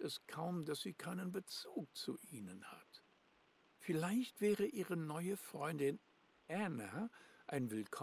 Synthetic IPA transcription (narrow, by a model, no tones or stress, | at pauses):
tɛskʰaʊmdasz̥iːkʰaɪnənbət͡suːk̚t͡suʔiːnənha̰t | fɪlaɪçtv̥ɛːʁəʔiːʁənɔʏəfʁ̥ɔʏndɪn | ʔanaʔaɪnvɪlkʰɔ